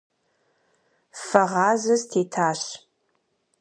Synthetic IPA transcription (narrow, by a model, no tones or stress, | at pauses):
fɐʁɑːzɐztʰeːtʰaːɕ